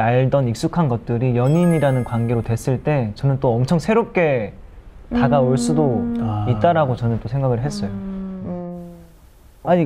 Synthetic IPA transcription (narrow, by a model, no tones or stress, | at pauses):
aɭdʌnik̚s͈ukʰanɡʌt̚t͈ɯɾijʌɲiɲiɾanɯnkwanɡe̞ɾotwe̞s͈ɯɭt͈e̞t͡ɕʌnɯnt͈oʌmt͡ɕʰʌŋsʰe̞ɾop̚k͈e̞ | taɡaoɭs͈udoit̚t͈aɾaɡot͡ɕʌnɯnt͈osʰe̞ŋɡaɡɯɭɦe̞s͈ʌjo | aɲi